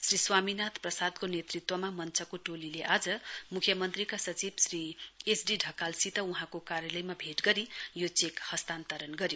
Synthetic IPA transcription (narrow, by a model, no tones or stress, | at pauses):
sriswaminat̪ʰprʌsad̪konet̪rit̪wʌmamʌnt͡sʰʌkoʈolileʔad͡zʌmukʰjʌmʌnt̪rikasʌt͡sibsriesɖiɖʱʌkalsit̪ʌuɦãkokaɾjʌlʌjmabʱeʈɡʌɾijot͡sekhʌst̪ant̪ʌɾʌnɡʌɾjo